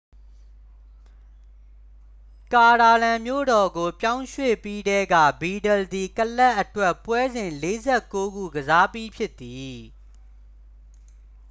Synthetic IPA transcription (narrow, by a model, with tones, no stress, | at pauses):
ka˨ɾa˨lã˨mjo̰˦˨ɾɔ˨ɡo˨pjã˦ʊ̃ʃwḛ˦˨pi˦dɛ˦ɡä̰˦˨bi˨dɛ˨ld̪i˨kəlɛ˦ʔːətwɛ˦˨pwɛ˦zɪ̃˨nle˦zɛ˦˨ko˦ɡṵ˦˨ɡəza˦pji˦pʰjɪ˦t̪ːi˨